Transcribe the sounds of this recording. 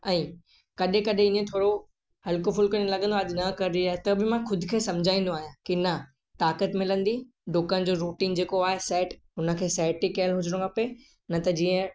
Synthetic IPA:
ɛ̃ː | kɐɗẽkɐɗẽɪ̃nẽt̪ʰoːɽo | hɐlkofʊlkɐñilɐɠə̃nd̪oɐʄnɐkɐɾɪɾiaːɦet̪ɐbɪmãxʊd̪ʱɪ̆kʰeːsɐ̃md͡ʑʱaːĩːnd̪oaːɦijãkinɐ | t̪aːkət̪mɪlə̃nd̪i | ɖoːkən̆d͡ʑoːɾuːʈiːnd͡ʑeːkoaːɦesɛːʈɦʊnə̆kʰeːsɛːʈikelɦʊd͡ʑɽ̃kʰɐpe | nɐt̪ɐd͡ʑiːə̃

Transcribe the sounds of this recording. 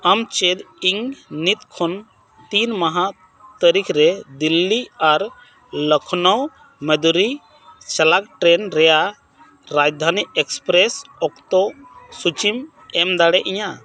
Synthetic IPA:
amt͡ʃed̪iŋnit̪kʰɔn | t̪inmaɦa | t̪əɾikʰɾɛd̪ilːiaɾ | ləkʰnɔw | med̪uɾi | t͡ʃalak̚ʈɾɛnɾɛja | ɾad͡ʒd̪ʱaniɛkspɾɛsɔkt̪ɔsut͡ʃim | ɛmd̪aɽɛʔiɲa

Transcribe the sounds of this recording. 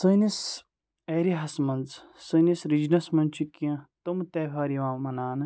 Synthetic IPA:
sɨnis | eːɾiɦɐsmɐnz | sɨnisɾid͡ʒnɐsmɐnt͡ʃʰukjɐ̃t̪ɐmt̪eːɦaːɾiʋãːmɐnaːnɨ

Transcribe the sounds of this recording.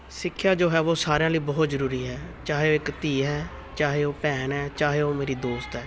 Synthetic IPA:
sɪkʰːjaːd͡ʒoːɦɛːʋoːsaːɾjãːliːbɔːt̪zəɾuːɾiːɦɛːt͡ʃaːɦeːoːɪkt̪iːɦɛː | t͡ʃaːɦeːoːpɛːnɦɛːt͡ʃaːɦeːoːmeːɾiːd̪oːst̪ɦɛː

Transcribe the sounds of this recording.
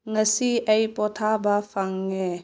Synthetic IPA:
ŋəsiəjpɔt̪ʰabafaŋːe

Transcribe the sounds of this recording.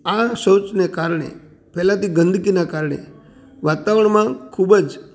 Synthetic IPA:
asot͡ʃnekaɾɳ̃ḛ | pɛlãt̪iɡənd̪ʱkinakaɾɳḛ | ʋat̪aʋəɳ̃mãkʰubəd͡ʒ

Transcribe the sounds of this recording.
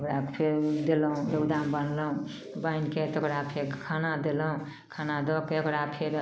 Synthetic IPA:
kɾapʰeɾd̪eloũd̪əwd̪ambənlõ | bainket̪əkɾapʰeɾkʰanad̪elõ | kʰanad̪okkɽapʰeɾ

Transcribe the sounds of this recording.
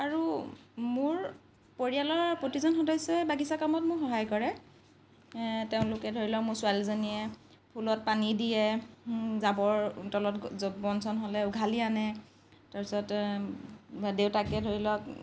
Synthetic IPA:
aɹumʊɹ | poɹialɔɹpɹotizɔnxɔdɔjsɔbaɡisakamɔt̚mʊɹxɔɦajkɔɹɛ | teʊ̃lʊkɛdʱoɹilɔkmʊɹsʊalzonijɛ | pʰulɔt̚panidijɛ | zabɔɹtɔlɔtbɔnsɔnɦolɛʊɡʱalianɛ | taɹsɔt | deʊtakɛdʱoɹilɔk̚

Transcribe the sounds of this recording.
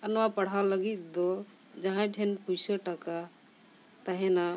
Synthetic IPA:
ənwapəɽ̤awləɡit̪d̪ɔ | d͡ʒəɦãʈʰenpujsəʈəka | t̪əɦɛna

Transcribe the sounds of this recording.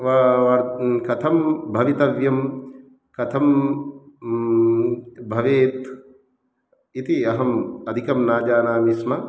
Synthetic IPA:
ʋɐʋɐɾkɐt̪ʰɐmbʱɐʋit̪ɐʋjɐm | kɐt̪ʰɐm | bʱɐʋeːt̪ | it̪iɐɦɐmɐd̪ʱikɐmnaːd͡ʒaːnaːmismɐ

